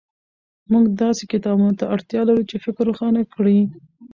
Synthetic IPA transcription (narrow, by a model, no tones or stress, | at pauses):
muɡd̪ɑsekɪt̪ɑbunot̪aʔaɽt̪jɑlaɾut͡ʃefɪkɾuxɑnakɽi